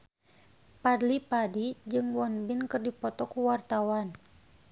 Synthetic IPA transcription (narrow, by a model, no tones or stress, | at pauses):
padlipadid͡ʒɨŋwɔnbinkɨrdipɔt̪ɔkuwart̪awan